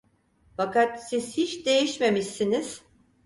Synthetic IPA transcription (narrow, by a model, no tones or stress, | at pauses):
fakat̪siz̥hit͡ʃd̪e̞jiʃme̞miʃiniz̥